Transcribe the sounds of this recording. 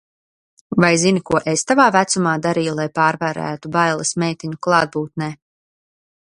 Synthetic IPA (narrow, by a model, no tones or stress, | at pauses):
vajzinikuɔʔest̪avaːvæt̪sumaːd̪aɾiːjulˠajpaːɾvæːɾæ̰ːt̪ubajlˠɐsmɛjt̪iɲuklˠɑːd̪̚buːt̪̚nɛː